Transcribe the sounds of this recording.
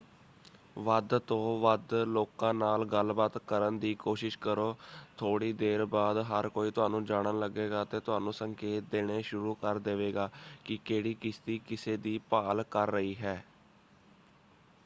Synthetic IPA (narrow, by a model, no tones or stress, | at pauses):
ʋəd̪t̪õːʋəd̪loːkãːnaːlɡəlbaːt̪kəɾənd̪iːkoːʃɪʃkəɾoːt̪ʰoːɽiːd̪eːɾbaːd̪ɦəɾkoːiːt̪ʊɦaːnũːd͡ʒaːɽ̃əːləɡeːɡaːt̪eːt̪ʊɦaːnũːsəŋkeːt̪̚d̪eːɽ̃eːʃʊɾuːkəɾd̪eːʋeːɡaːkɪkeːɽiːkɪst̪iːkɪseːd̪iːpaːlkəɾːəiːɦɛː